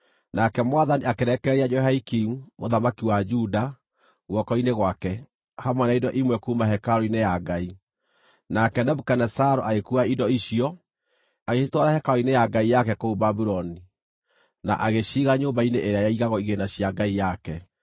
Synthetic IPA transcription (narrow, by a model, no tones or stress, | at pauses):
nakɛmwaðaniakeɾɛkɛɾiad͡ʒɔɦaikiumoðamakiwad͡ʒuda | ɣwɔkɔineɣwakɛ | hamwɛnaidɔʔimwɛkumaɦɛkaɾɔinejaɡai | nakɛnɛbukanɛsaɾoʔaɣekuaidɔiɕijɔ | aɣeʃitwaɾahɛkaɾɔinejaɡaijakɛkoubabuɾɔni | na̰ʔaɣeɕiɣaɲoːmbaineʔeɾeajaiɣaɣɔiɣenaɕjaɡaijakɛ